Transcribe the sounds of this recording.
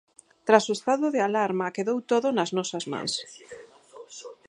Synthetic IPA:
t̪ɾasoest̪aðʊðealaɾmakeðowt̪oðʊnɐznɔsɐzmã̰ŋs

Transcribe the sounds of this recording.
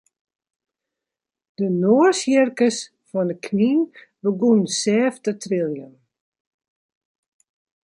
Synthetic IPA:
d̥ənoərsjɛrkəs | fɔndəkʰninʋəɡunsɛːftətʰrɪlˠjən

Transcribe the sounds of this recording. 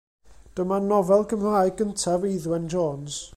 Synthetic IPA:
d̥əmanɔvɛlˠkʰəmr̥aːjɡəntʰaviðwɛnd͡ʒoːns

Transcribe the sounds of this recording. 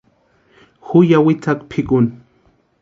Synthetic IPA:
hʊjawɪt͡sakpʰɪkʊn

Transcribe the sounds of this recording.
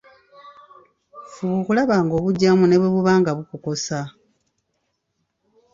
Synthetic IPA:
fuβukulaβaːŋɡo̞ːβuɟːamune̞βweβuβaːŋɡaβukuko̞sa

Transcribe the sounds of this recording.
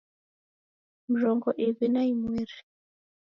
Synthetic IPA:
m̩ʒɔŋɡɔʔiβinaimwɛːɾi

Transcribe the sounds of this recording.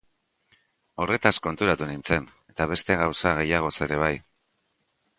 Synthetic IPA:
o̞re̞t̪asko̞nt̪uɾat̪unint͡se̞n | e̞t̪aβ̞e̞st̪e̞ɣawsaɣe̞jaɣ̞o̞se̞ɾe̞β̞aj

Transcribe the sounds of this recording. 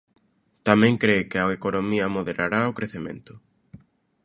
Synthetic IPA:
t̪amẽŋkɾekɪaekonomiɐmoðeɾʔaɾaokɾeθemẽnt̪ʊ̥

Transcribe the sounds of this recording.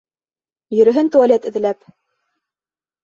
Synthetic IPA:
jɵ̆ɾɵ̆ɦɘnt̪ualʲet̪ɘ̆ðɘ̆læp

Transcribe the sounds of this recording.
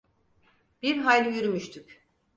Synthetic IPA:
b̥iɾɦalʲyjyɾymyʃt̪ʰyc

